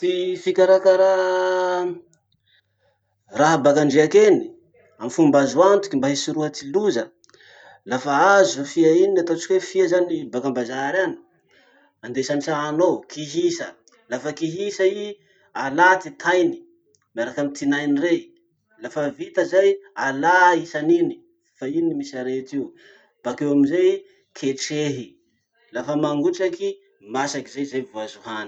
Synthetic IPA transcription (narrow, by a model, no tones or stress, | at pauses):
t̪ifikʲaɾakaɾa | raɦabakaɳɖ͡ʐeakeni̥ | amifumbazuant̪u̥kʲimbaɦisiɾuɦət̪iluzə | lafaazufiainiat̪ot͡ʃi̥kʲwefiazanibakambazaɾani̥ | and̪esanisaːnokʰiɦisə | lafəkiɦisai | alat̪it̪ʰajni̥ | maɾakamit̪inajnire | lafəvit̪əzajalaisanini̥ | fainimisaɾet̪iw | b̥akewaminzaj | kʰeʈ͡ʂeɦi | lafəmaŋɡuʈ͡ʂaki | masakizajzajvuazuɦani̥